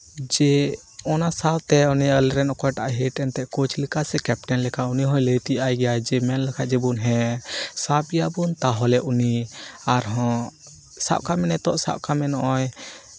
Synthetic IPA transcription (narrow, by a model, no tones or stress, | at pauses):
d͡ʒɛ | ɔnasawt̪ɛɔnɛəlɾɛnɔkɔjʈaʔaɦɛʈɛnt̪ɛʔkot͡ʃʰlikasɛkɛp̚ʈɛnlɛkʰauniɦɔ̃jləjt̪ijajɡɛjajd͡ʒɛmɛnlɛkʰaʔd͡ʒɛbunɦɛ̃sapɛjabunt̪aɦɔlɛʔuniaɾɦɔ̃ | sa̰ʔkamɛnɛt̪ɔʔsa̰ʔkamɛnɔʔɔj